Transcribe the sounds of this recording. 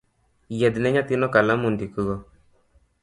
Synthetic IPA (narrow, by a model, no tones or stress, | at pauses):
jɛd̪nɛɲat̪inɔkalamund̪ikuɣɔ